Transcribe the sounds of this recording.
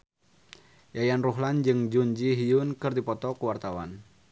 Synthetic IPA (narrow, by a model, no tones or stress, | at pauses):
jajanruɦland͡ʒɨŋd͡ʒuɲd͡ʒiɦijunkɨrdipɔt̪ɔkəwart̪awa̰n